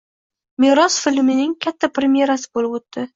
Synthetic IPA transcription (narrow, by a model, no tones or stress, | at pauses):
meɾɒsfɪlmɪnɪŋkʲʰat̪ʰːapɾemje̞ɾasɪ̥bolɪpot̪ːɪ